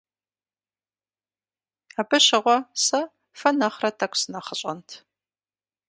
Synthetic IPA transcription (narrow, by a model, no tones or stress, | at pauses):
aːbɨɕɪʁʷɔsɐ | fɐnɐχrɐtʰɐkʷʰʼsɨnɐχəɕʼɐ̰ntʰ